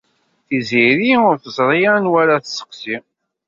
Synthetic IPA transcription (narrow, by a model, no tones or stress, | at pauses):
θiziɾiʊɾθəzˤɾˤijænwæɾaθəsə̥qsi